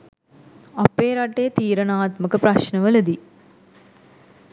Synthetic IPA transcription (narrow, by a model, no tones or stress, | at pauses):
apːeːɾaʈeːt̪iːɾənaːt̪məkəpɾaʃnəʋələd̪i